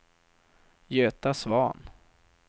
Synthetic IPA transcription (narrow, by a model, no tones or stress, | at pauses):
jøːt̪asvɑːn